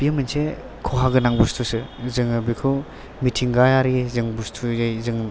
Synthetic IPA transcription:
pijəmɯnse | kʰoɦaɡɯnaŋbustʰusɯzɯŋɯbikʰɯ | mitʰiŋɡajaɾizɯŋbustʰujajzɯŋ

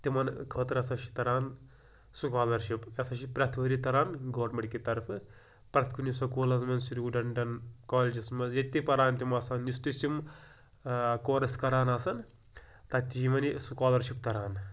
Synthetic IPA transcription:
t̪imɐnkʰɐːt̪ɾɐsɐʃi̥t̪ɐɾaːn | sukaːlɐɾʃipɐsɐʃipɾɐt̪ʰʋɐɾit̪ɐɾaːnɡoːɖmɐɳkit̪ɐɾpʰɨ | pɾɐt̪ʰkunisɐkoːlɐsmɐnsiɾuɖɐɳɖɐnkaːled͡ʒismɐzjet̪ʲipɐɾaːnt̪imɐːsaːnːist̪isim | koːɾɐskɐɾaːnasɐn | t̪ɐt̪ʲiimɐnisukaːlɐɾʃip̚t̪ɐɾaːn

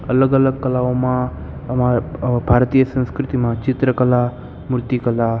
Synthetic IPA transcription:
ɐləɡələɡ̚kɐlaʋomãmabʱaːɾt̪ijəsə̃nskɾɪt̪imãt͡ʃit̪ɾəkɐla | muɾt̪ikɐla

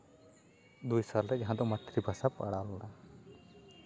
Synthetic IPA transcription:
d̪ujsalɾɛaɦãd̪ɔmət̪ɾibʱasapa̰ɽalɔna

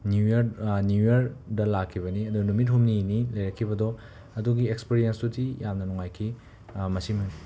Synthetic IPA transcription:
njujɐɾnjujɐɾdɐlakʰːibɐniɐduɡɐnumit̬̚humninilɐjɾɐkʰːibɐdɔ | ɐduɡiekspiɾijensdutijamnɐnɔŋajkʰi | mɐsimuni

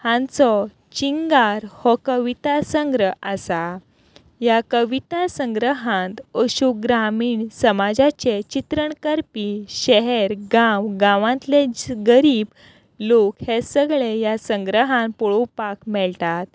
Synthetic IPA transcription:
hãnt͡sɔ | t͡ɕiŋɡaɾhɔkəʋit̪asəŋɡɾəɦasa | jakəʋit̪asəŋɡɾəɦãnt̪əɕuk̚ɡɾamiːɳsəmad͡zat͡ɕet͡ɕit̪ɾəɳkəɾpiɕɛɦɛɾɡãwɡãʋãnt̪leɡəɾiːb | lokhesəɡɭejasə̃ŋɡɾəɦãnpɔɭupakmɛɭt̪at̪̚

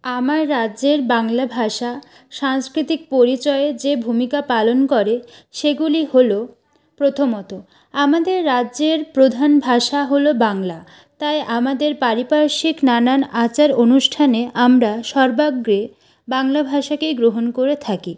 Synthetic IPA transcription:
amaɾːaʑeɾbaŋlabʱaʃa | ʃaŋskɾit̪ik̚poɾit͡ɕɔeed͡ʑebʱumikapalonkɔɾeʃeɡuliholo | pɾot̪ʰomɔt̪o | amad̪eɾːaʑeɾpɾod̪ʱanbʱaʃaɦolobaŋla | t̪ajʔamad̪eɾpaɾipaɾʃiknananat͡ɕaɾonuʃʈʰaneʔamɾaʃɔɾbaɡɾe | baŋlabʱaʃakejɡɾoɦonkoɾet̪ʰaki

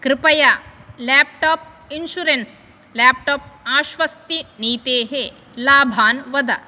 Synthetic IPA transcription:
kɾɪpɐjalæːp̚ʈoːp̚ | inʃuɾens | læːp̚ʈoːp̚aːʃʋɐst̪iniːt̪eːɦe | laːbʱaːnʋɐd̪ɐ

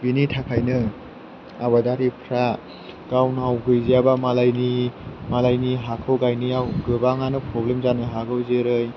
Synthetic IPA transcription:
binitʰakʰajnɯ | aβadaɾipʰɾa | ɡ̥awnawɡɯjzijabamalajnimalajniɦakʰɯwɡajniawɡɯbaŋanɯpɾɔblemzanɯɦaɡɯwzɯɾɯj

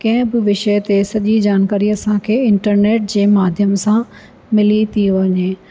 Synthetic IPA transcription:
kɐ̃ɦɪ̃bɪʋɪʃət̪esɐʄid͡ʑaːnkaːɾiɐsãkʰeːɪ̃ɳʈəɾneːʈ̚d͡ʑeːmaːd̪ʱjəmsã | mɪlit̪ʰiʋɐɲeː

